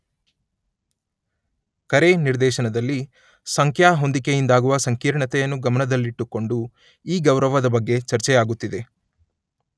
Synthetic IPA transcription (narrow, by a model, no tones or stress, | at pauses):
kɐɾe̞niɾd̪ɛːʃɐnɐd̪ɐlːi | sɐŋkʰjaːɦo̞nd̪ikejind̪aːɡuʋɐsɐŋkiːɾɳɐt̪ɛjɐnːuɡɐmɐnɐd̪ɐlːiiʈːukːo̞ɳɖu | iːɡɐwɾɐʋɐd̪ɐbɐɡːe̞t͡ʃɐɾt͡ʃɛjaːɡut̪ːid̪e̞